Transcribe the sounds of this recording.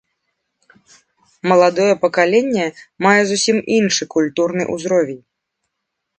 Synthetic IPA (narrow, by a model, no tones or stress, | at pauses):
mɐlˠad̪ɔjɛpɐkalʲɛnʲːɛmajɛzusʲiminʂɨkulʲt̪urnɨ̰ʔṵzɾɔvʲɛnʲ